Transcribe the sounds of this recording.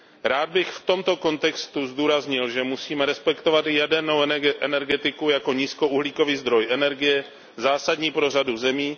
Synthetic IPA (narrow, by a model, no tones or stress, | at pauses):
ɾaːd̪̚bɪxft̪o̞mt̪o̞ko̞nt̪ɛkst̪uzd̪uːɾazɲɪlʒɛmusiːmɛɾɛspɛkt̪o̞vat̪jɛdɛɾno̞wʔɛnɛɾɡɛt̪ɪkujako̞ɲiːskouɦliːko̞viːzd̪ɾojɛnɛɾɡɪjɛ | zaːsadɲiːpɾo̞raduzɛmiː